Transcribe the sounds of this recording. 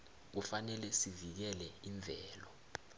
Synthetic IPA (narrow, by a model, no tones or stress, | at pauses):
k̬ufanɛlɛsivik̬ɛlɛiɱb̪vʱɛːlɔ